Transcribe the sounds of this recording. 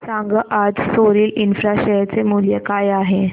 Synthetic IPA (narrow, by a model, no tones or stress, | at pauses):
sãŋɡəʔad͡zsoɾiːlinfɾaɕejt͡semuljəkajaɦe